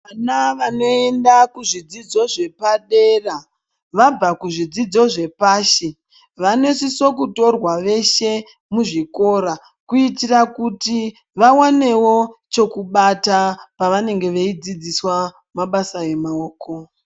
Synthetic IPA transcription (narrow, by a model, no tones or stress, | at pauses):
anaʋano̞endakuʐid͡zid͡zo̞ʐe̞paɗe̞ra | ʋab͡vakuʐid͡zid͡zo̞ʐe̞paːʃe | ʋane̞siso̞kuto̞rwaʋe̞ʃe̞ | muʐiko̞ɾa | kuitirakuti | ʋawane̞wo̞t͡ʃo̞kuɓatapaʋane̞ŋɡe̞ʋeid͡zid͡ziswa | maɓasae̞maoːkʰo̞